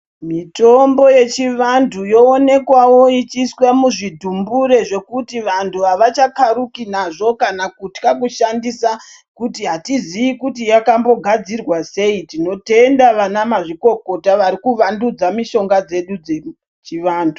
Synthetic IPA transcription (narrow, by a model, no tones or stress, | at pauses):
mito̞mbo̞je̞t͡ʃiʋandʰujo̞ːne̞kwawo̞it͡ʃiswamuʐidʱumbuɾe̞ʐe̞kutiʋantʰuɦaʋat͡ʃakaɾukinaʐo̞kanakutkakuʃandisa | kutiɦatiziʋikutijakambo̞ɡʱad͡zirwase̞itino̞te̞ndaʋanamaʐiko̞ko̞taʋaɾikuʋandud͡zamiʃo̞ŋɡad͡ze̞ɗud͡ze | t͡ʃiʋaːndʰu